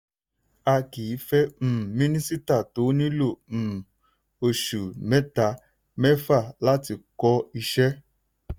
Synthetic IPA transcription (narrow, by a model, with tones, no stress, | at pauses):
a˧kiː˨˦fɛ˦m̩˨mĩ˦ni˦si˦ta˦˨to˨˦nĩ˦lo˦˨ | o˨ʃu˨mɛ˦ta˧˦ | mɛ˦fa˦˨la˦ti˧kɔ˦i˧ʃɛ˦